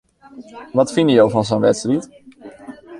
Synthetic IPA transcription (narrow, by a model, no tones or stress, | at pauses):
ʋɑtfɪnəjowvɑnzonʋɛtstrit